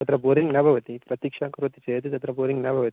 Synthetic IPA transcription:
ɐt̪ɾɐboːɾiŋɡnɐbʱɐʋɐt̪ipɾɐt̪ikʂaːkɐɾʋɐt̪ːit͡ʃɛːt̪ɯt̪ɐt̪ɾɐboːɾɪŋɡnɐbʱɐʋɐt̪i

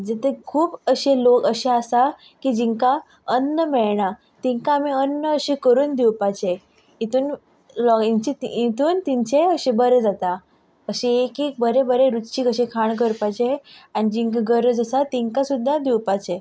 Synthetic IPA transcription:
d͡zet̪ekʰuːpəɕelokəɕeasa | kid͡ʑiŋka | ənːəmɛɭɳa | t̪iŋkaːmiənːəəɕikəɾuːnd̪iwpat͡ɕe | it̪uːn | lɔiɲt͡ɕit̪iit̪uːnt̪iɲt͡ɕeəɕẽbəɾed͡zat̪a | əɕeekek̚bəɾebəɾeɾutt͡ɕiːkəɕẽkʰaɳk̬əɾpat͡ɕeaɽ̃id͡ʑiŋkaɡəɾəd͡zəsat̪iŋkasud̪ʱːad̪iwpat͡ɕe

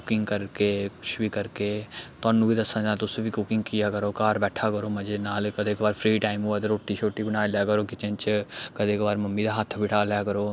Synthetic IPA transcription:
kʊkɪ̃ŋɡkəɾkeːkʊt͡ʃʰbiːkəɾkeːt̪ʊaːnũːbiːd̪əsãːd͡ʒãːt̪ʊsũːbiːkʊkɪŋɡ̚kijaːkəɾoːkaːɾbɛːʈʰaːkəɾoːməd͡ʒenaːlkəd̪ekbaːɾpʰɾiːʈaːɪmuːaːt̪̬eɾoːʈːiːt͡ʃʰoːʈːiːbəɽ̃aːljaːkəɾoːkɪt͡ʃənt͡ʃkəd̪eːkbaːɾməmːiːd̪aːɦət̪ʰːbɪʈaːljaːkəɾoː

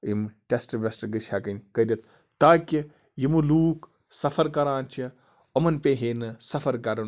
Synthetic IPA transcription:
imʈʲesʈʋʲesʈɡɨsʰʲɐkɐnʲkɐd̪ʲɐt̪̚ʰ | t̪aːkʲi | jimuluːk | sɐfʰɐɾkɐɾãːnt͡ʃʰi | omɐnpeːɦeːnɨsɐfɐɾkɐɾɐn

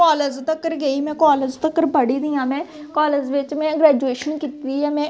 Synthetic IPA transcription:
ɔːləd͡ʒt̪əkːəɾɡəiːmɛ̃ːkɔːləd͡ʒt̪əkːəɾpəɽiːd̪iːãːmɛ̃ːkɔːləd͡ʒʋɪt͡ʃmɛ̃ːɡɾɛːd͡ʒueːʃənkiːt̪ːiːɛːmɛ̃ː

